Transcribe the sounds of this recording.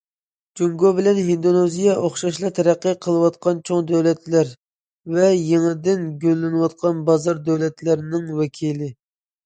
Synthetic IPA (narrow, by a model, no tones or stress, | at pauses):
d͡ʒuŋɡobɪlɛnɦind̪onezijɑʔoχʃɑʃlˠɑt̪ʰɛɾæqːəqʰəlˠɨwɑt̪qʰɑnt͡ʃʰoŋd̪ɛwlɛt̪læɾ | vɛjeŋɨd̪ɪnɡʲølːɪnɨwɑt̪̚qʰɑnbɑzɑɾd̪ɛwlɛt̪lɪɾnɪŋwɛkʲʰilɪ